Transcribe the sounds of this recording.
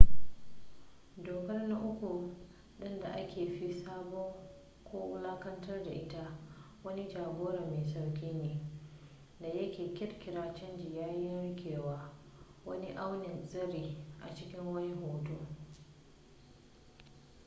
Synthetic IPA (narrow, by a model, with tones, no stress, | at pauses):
doː˨kɐ˦rna˦ʔʊ˦kʷu˨ | ɗɪ˦nda˨ʔa˦kʲeː˨ɸi˦saː˦bɔ˦ŋ | kʷoː˦ʊ˦laː˦kɐ˦ntɐ˦rda̰˨ʔɪ˦ta˦ | wɐ˦ni˦d͡ʒaː˨ɡoː˦ɾɐ˨meː˨sa˨wkʲiː˦neː˨ | da˨jɐ˦kʲeː˨kʲɪ˦rkʲɪ˨ɾaː˦t͡ʃɐ˦nd͡ʒi˨jaː˦jɪ˦nɽɪ˦kʰʲeː˨waː˦ | wɐ˦ni˦ʔa˦wnɪ˨nzɐ˦ɾiː˨ʔa̰˨t͡ʃɪ˦kʲɪ˦ŋwɐ˦jɦoː˨˦toː˦